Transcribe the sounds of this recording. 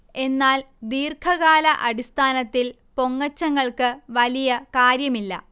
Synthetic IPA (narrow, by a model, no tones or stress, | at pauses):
e̞nːaːl | d̪iːrkʰɐɣaːlɐʔɐɽist̪ʰaːnɐt̪ːil | po̞ŋːɐt͡ɕːɐŋːɐɭkɨʋɐlijɐkaːɾjɐmilːɐ̰